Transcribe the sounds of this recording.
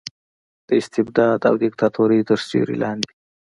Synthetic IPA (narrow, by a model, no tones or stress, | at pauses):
d̪̥əɪst̪ɪbd̪ɑːd̪a̰wd̪ɪkt̪ʰat̪ʰoɾit̪əɾst͡ʃḭɾḭlɑːnd̪i̥